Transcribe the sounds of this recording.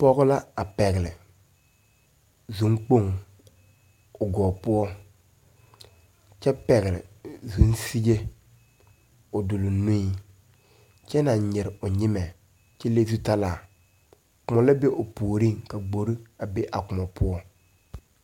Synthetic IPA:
pɔ˦ɣʊ˦la˦a˨pɛ˨ɣɪ˨lɪ˨ | zu˦ŋk͡po˦ŋ | ʊ˨ɡɔː˨pʊ˦ɔ˦ | t͡ʃɛ˦pɛ˨ɣɪ˨lɪ̰˨zu˨˦nsi˦d͡ʒe˦ | ʊ˨dʊ˨lʊ˨nũ˦i˨ | t͡ʃɛ˦na˨˦ɲɪ˨ɾɪ˨ʊ˨ɲɪ˦mɛ˨ | t͡ʃɛ˦le˦zu˦ta˦laː˨ | kʊ˨ma˨la˦be˦ʔʊ˨puː˨ɾi˦ŋka˨ɡ͡bo˨ɾi˦a˨be˦ʔa˨kʊ˨ma˨pʊ˦ɔ˦

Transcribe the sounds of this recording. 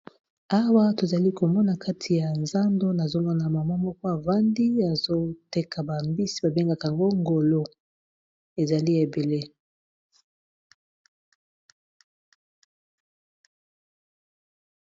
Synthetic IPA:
a˦wa˦to˨za˨li˦ko˨mɔ˦na˨kʰa˦tʰi˨ja˨nza˦ndo˦na˨zo˦mɔ˦na˨ma˨ma˦mɔ˦kɔ˦a˨va˦ndi˦a˨zo˦te˦kʰa˨ba˨mbi˦si̥˦ba˨be˦ŋɡa˦ka˨a˨ŋɡo˦ŋɡo˨lo˦ | e˨za˨li˦e˨be˨le˦

